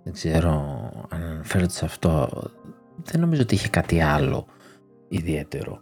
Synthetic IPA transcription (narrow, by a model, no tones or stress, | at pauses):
ðeɡzeɾoɐ̰nɐnɐfe̞ɾot̪esɐft̪o̞̰ | ðeno̞mizoot̪iiçe̞kɐt̪iɐlo̞̰ | iðie̞t̪e̞̰ɾo̞̰